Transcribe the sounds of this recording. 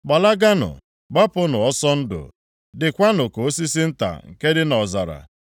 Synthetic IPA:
ɡ͡ba˨la˦ɡa˦nʊ̰˨ | ɡ͡ba˦pʊ˦nʊ˨ɔ˦sɔ˦n̩˦dʊ̰˨ | dɪ˨kʷa˦nʊ˨ko˨o˦si˦s̬i˦n̩˦ta̰˨ŋ̩˨ke˦dɪ˦nɔ˨za˨ɾa̰˨

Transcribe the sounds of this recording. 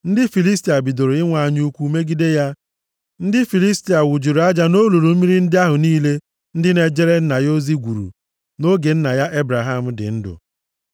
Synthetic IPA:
n̩˦dɪ˦fi˨li˦sti˨a˨bi˨do˨ɾo˨ɪ˦ŋʷa˨a˨ɲ˦u˦kʷu˦me˦ɡi˦de˦ja˦ | n̩˦dɪ˦fi˨li˦sti˨a˨wʊ˨d͡ʒi˨ɾu˨a˦d͡ʒa˦no˦lu˨ɾu˨m̩˦mi˦ɾi˦n̩˦dɪ˦a˦ɦʊ˨niː˦le˦ | n̩˦dɪ˦ne˨d͡ʒe˦ɾe˦n̩˦na˨jo˦zi˦ɡʷu˨ɾṵ˨ | no˦ɡe˨n̩˦na˨ja˦ʔe˦bɾa˨ɦa˦m̩˦dɪ̰˨n̩˦dʊ̰˨

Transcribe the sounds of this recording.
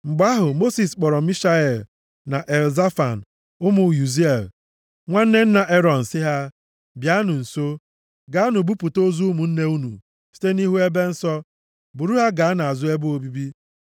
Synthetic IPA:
ŋ͡m̩˨ɡ͡ba˦ɦʊ˨mo˦si˨sk͡pɔ˨ɾɔ˨˦i˦ʃa˦e˨l | na˨ʔe˨lza˦fa̰˨n̩˨ | ʊ˦mʊ˨ju˨zi˦e˨l | ŋʷa˦n̩˦ne˦n̩˦na˨ʔe˦ɾɔ˨n̩˨sɪ˦ɦa˦ | bja˦nʊ˨n̩˨so˦ | ɡa˨a˦nʊ˨bu˦pu˨to˦zu˦mu˨n̩˦ne˦u˦nṵ˨ | si̥˦te˦ni˦ɦu˦e˦be˦n̩˦sɔ˦ | bu˨ɾu˦ɦa˦ɡa˨a˦na˨a˨zʊ˦e˦bʊ˦o˦bi˦bi˦

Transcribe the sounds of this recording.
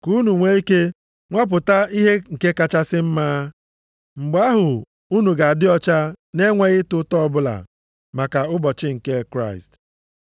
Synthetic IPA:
ku˦nu˨ŋʷe˦i˦ke˦ | ŋʷa˦p̬ʊ˨ta˦i˦ɦe˦ŋ̩˨ke˦ka˦t͡ʃa˦sɪ˦m̩˦maː˦ | ŋ͡m̩˨ɡ͡ba˦ɦʊ˨ | u˦nu˨ɡa˨a˨dɪ˦ɔ˦t͡ʃa˦ne˦ŋʷe˦ɣɪ˦tʊ˦tɔ˦bʊ˦la̰˨ | ma˨ka˨ʊ˦bɔ˨t͡ʃɪ˦ŋ̩˨ke˦kɾa˦˨ɪ̰˨st

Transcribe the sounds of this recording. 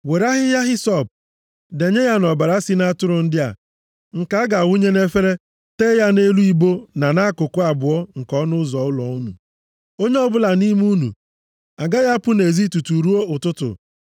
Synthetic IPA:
we˨ɾa˦ɦɪ˦ja˦ɦɪ˦sɔ˦˨p̚ | de˨ɲe˦ja˦nɔ˨ba˨ɾa˦si˦na˦tʊ˦ɾʊ˨n̩˦dɪ˦a̰˨ | ŋ̩˨ka˦a˦ɡa˨wu˦ɲe˦ne˦fe˦ɾe˦ | teː˦ja˦ne˦lu˦i˦bo˦na˨na˦kʊ˨kʊ˦a˨bʊ˨ɔ˦ŋ̩˨kɔ˦nʊ˦zɔ˨ʊ˦lɔ˨u˦nṵ˨ | o˦ɲe˦ɔ˦bʊ˦la˨ni˦m˦u˦nṵ˨ | a˨ɡa˦ja˦pʊ˦ne˨zi˦tu˨tu˨ɾu˦o˦ʊ˨tʊ˦tʊ̰˨

